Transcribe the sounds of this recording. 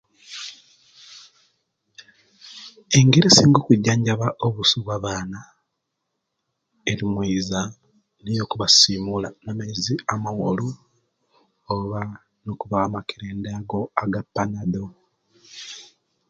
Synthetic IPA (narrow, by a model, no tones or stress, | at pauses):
e̞ŋɡe̞ɾesiːŋɡo̞kuɟːaːɲɟaβaʔoβusuβwaβaːna | eɾimwiːza | nijo̞kuβasiːmulanamaiziamawolu | oβa | nokuβaamakeɾeːndaaɡo̞aɡapːanaðo